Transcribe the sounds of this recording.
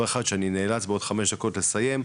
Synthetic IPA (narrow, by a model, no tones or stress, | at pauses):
eχad̪ʃeanineːlat͡sbeod̥̪χame̞ʃd̪ako̞tle̞saje̞m